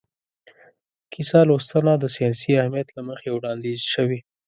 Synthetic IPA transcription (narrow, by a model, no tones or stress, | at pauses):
kʰisɑlost̪anad̪əsijɑsiahmijat̪laməxewɽɑnd̪izʃəwi